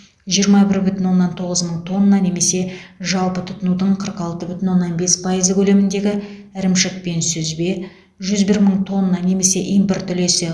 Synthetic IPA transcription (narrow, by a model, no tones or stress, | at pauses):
ʒijəɾmɑbɪɾbʏt̪ɪnwo̞nːɑnt̪ʰo̞ʁəzməɴt̪ʰo̞nːɑne̞me̞se̞ʒɑlˠpət̪ʰʊt̪ənud̪əɴqʰəɾqɑlˠt̪əbʏt̪ɪnwo̞nːɑnbe̞spʰɑjəzəkʲʰɵle̞mɪnd̪e̞ɡʲɪɪɾɪmʃɪk̚pe̞nsʏzbe̞ | ʒʏzbɪɾməɴt̪ʰo̞nːɑne̞me̞se̞ʔijmpɪrt̪ʰːʏle̞sɪ